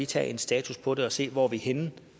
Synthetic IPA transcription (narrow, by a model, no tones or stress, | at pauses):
it͡sʰɛ̰ːe̝nsd̥ɛ̰ːt͡sʰuspʰɒ̽de̝ɒ̽se̝̰ːʋɒʋihen